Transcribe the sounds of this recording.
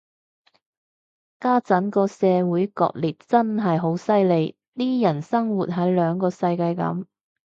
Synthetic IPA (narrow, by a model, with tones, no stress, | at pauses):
kaː˥t͡sɐ˨˥nkɔː˧sɛː˨˧wuː˨˥jkɔ̰ː˧k̚liː˨˩t̚t͡sɐ˥nɦɐ˨jɦo˨˥wsɐ˥jle˨˧j | t̪iː˥jɐ˨˩nsɐ˥ŋwuː˨t̚ɦɐ˨˥jlœː˨˧ŋkɔː˧sɐ˧jkaː˧jkɐ̰˨˥m